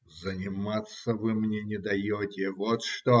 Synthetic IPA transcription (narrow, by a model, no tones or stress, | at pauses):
zənʲɪmat̪sːəvɨmnʲenʲɪd̪ɐjotʲɪvot̪ʂt̪o